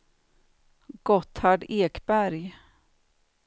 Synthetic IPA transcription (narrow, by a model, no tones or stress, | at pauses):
ɡ̥ɔt̪haɖeːkbæɾj